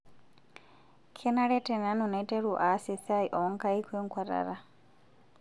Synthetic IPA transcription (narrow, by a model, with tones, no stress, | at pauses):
kʰɛ˦na˦ɺɛ˦tʼɛ˨na˨˦nɔ˨na˨i˦tʼɛ˦ɺu˨ʔa˨˦sɛ˨sa˦i˨ʔɔ˨˦ŋ˦ka˦i˦kʰwɛ˦ŋkʰwa˨ɾa̰˨ɾa˦